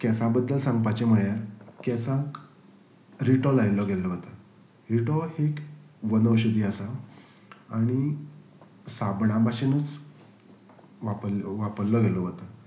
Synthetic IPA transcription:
kɛsãbəd̪ːəlsãŋɡ̚pat͡ɕem̤əɭjaɾkɛsãk | ɾiʈɔlajlɔɡʱɛlɔʋət̪a | ɾiʈɔhekʋənəwɕud̪ʱiasaː | ɽ̃i | sabɳãbaɕinət͡s | ʋaplʋapəɾlɔɡʱɛlɔʋət̪a

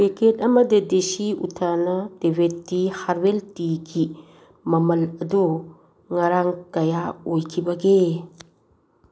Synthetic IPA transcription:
beketɐmɐd̪ed̪eʃiṵt̪ʰanɐd̪ewet̪ːihaɾweltiɡi | mɐmɐlɐd̪o | ŋɐɾaŋɡɐjaojkʰibɐɡe

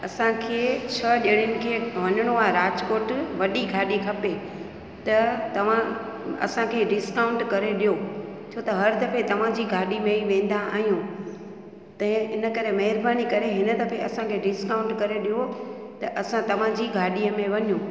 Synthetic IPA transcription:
ɐsãkʰeːt͡ɕʰɐɗeːɽ̃jʊnɪ̆kʰeːʋɐɲəɽ̃oaːɾaːd͡ʑkoːɾʈʋɐɗiɡʱaːɗikʰɐpe | t̪ɐt̪ɐʋ̤ãɐ̰sãkʰeːɖɪskaːʊ̃ɳʈkɐɾeɗijo | t͡ɕʰoːt̪ɐɦɐɾd̪ɐpet̪ɐʋ̤ãd͡ʑiːɡʱaːɗimẽiʋẽːn̆d̪aa̰ːɦijũ | t̪ɐ̃ɪnə̆kɐɾemɐɦɪɾbaːnikɐɾeɦɪnəd̪ɐpʰeɐsãkʰeːɖɪskaʊ̃ɳʈkɐɾeɗijo | t̪ɐʔɐsãt̪ɐʋ̤ãd͡ʑiːɡʱaːɗiəmẽʋɐɲjũː

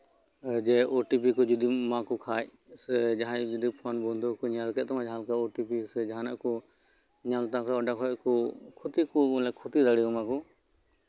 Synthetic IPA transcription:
d͡ʒɛɔʈipikɔd͡ʒud̪imãkukʰaːj | sɛd͡ʒaɦãd͡ʒud̪ipʰɔnbɔnd̪ɔkɔɲalkɛt̪mãd͡ʒɦalkaɔʈipisɛd͡ʒaɦanaʔkɔ | ɲalt̪aksaɔɖakɦɔʔkɔkʰɔt̪ikulɛkʰut̪id̪aɽikɔmãkɔ

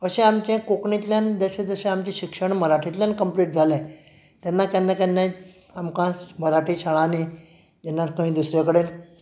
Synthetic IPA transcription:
əɕẽamt͡ɕẽkoknit̪ljãnd͡zaɕẽd͡zəɕẽamt͡ɕẽɕikʂəɳməɾaʈʰit̪ljankəmpliːʈ̚d͡zʱalẽ | t̪ɛnːakanːakanːa | amkãməɾaʈʰiːɕaɭãni | d͡ʑɛnːak̪ə̃ʋĩd̪usɾjekəɽen

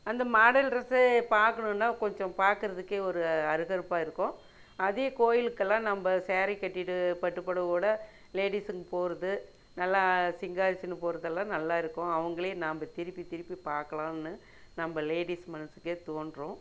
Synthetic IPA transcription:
ɐnd̪ɐmaːɽɐlɾɐsɯpaːɾkɐɳɯ̃nːaːkɔɲd͡ʒɔ̃paːɾkɯɾɐðɯkːeːɔɾɯɐɾɯɣɐɾɯpːaːɪɾɯkːʊ̃ | ɐðeːkoːjɪlɯkːɐlːãːnɐmbɐseːɾɛkːɐʈːɪʈːɯpɐʈːɯpːɐɽɐʋoːɽɐ | leːɽisɯŋɡɐpoːɾɐðɯ | nɐlːaːsɪŋɡaːɾɪsɪnɯpoːɾɐðɐlːãːnɐlːaːɪɾɯkːʊ̃ɐʋɐŋɡɐɭeːnaːmbɐt̪ɪɾɪpːit̪ɪɾɪpːipaːɾkɐɭãːɪnːɯ | nɐmbɐleːɽismɐnɯsɯ̥kːeːt̪oːnɖɾõː

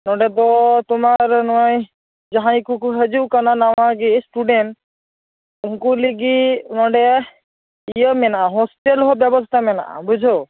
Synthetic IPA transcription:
nɔɖɛt̪̬ɔt̪umaɾnɔj | d͡ʒaɦãj̃kukuɦəd͡ʒuwkananawaɡisʈuɖenʈ | ũkuliɡinɔɖɛ | ijɔmɛnaaɦɔsʈelɦɔbjɛbɔst̪ʰamɛna̰ʔa̰bud͡ʒʱɔ

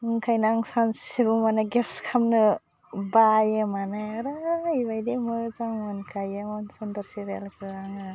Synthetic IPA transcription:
ɯŋkʰajnaŋsanssibumanaɡepʰskʰamnɯ | bajɯmanajaɾajbajdemɔjzaŋɔnkʰajemɔnsɔndɔɾsiɾḛlkʰɯaŋa

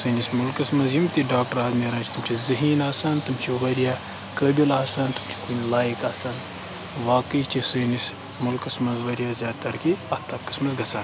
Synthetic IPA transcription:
sɨːnismulkɨsmɐzjimt̪ʲiɖaːk̚ʈɐɾaːzmeːɾãːnt͡ʃʰt̪umt͡ʃʰizɨɦiːnaːsɐnt̪umt͡ʃʰiʋɐɾjaː | kəbilaːsɐnt̪umt͡ʃʰi̥kunlaːjikaːsɐn | ʋaːkɨt͡ʃʰisɨːnis | mulkɨsmɐzʋɐɾʲjaːzʲaːd̪t̪ɐɾkiɐt̪ʰɐkɐ̥smɐsɡɐt͡sʰaːn

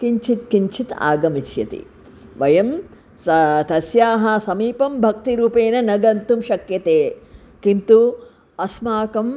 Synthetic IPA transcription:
kiɲt͡ʃit̪kiɲt͡ʃit̪a̰ːɡɐmiʃjɐ̰t̪ḭ | ʋɐjɐm | st̪ɐsjaːɦɐsɐmiːpɐmbʱɐk̚t̪iɾuːpeːnɐnɐɡɐnt̪umʃɐkjɐt̪eː | kint̪u | ɐsmaːkɐm

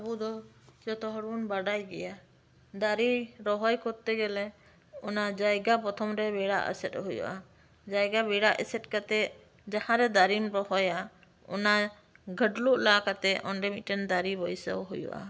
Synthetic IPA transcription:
abud̪ɔ | d͡ʒɔt̪ɔɦɔɽunbaɖajɡɛja | d̪aɾiɾɔɦɔjkɔt̪ɛɡɛlɛ | ɔnad͡ʒajɡapɔt̪ʰɔmɾɛbɛɽa̰ʔə̰sɛt̪̚ɦujṵʔa | d͡ʒajɡabɛɽaʔɛ̰sɛt̪̚ˀkat̪ɛʔ | d͡ʒahãɾɛd̪aɾimɾɔhɔja | ɔ̰na | ɡʱəɖluʔlakat̪ɛɔ̰nɖɛmit̪̚ˀʈɛnd̪aɾibɔjsə̰wɦujṵʔa̰

